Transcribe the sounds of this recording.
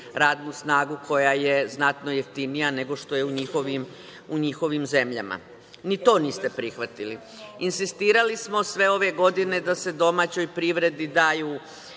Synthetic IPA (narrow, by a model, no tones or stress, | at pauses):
ɾaːd̪nusnaːɡukʰo̞jajeznat̪no̞jeft̪inijane̞ɡo̞ʃt̪o̞je̞uɲixoʋim | uɲixo̞ʋimze̞mʎa̰ma̰ | nit̪o̞ːniːst̪e̞pɾixʋat̪ili | insist̪iːɾalismo̞sʋe̞o̞ʋe̞ɡo̞d̪ine̞d̪ase̞d̪o̞maːt͡ɕo̞jpɾiʋɾe̞d̪id̪aːjuː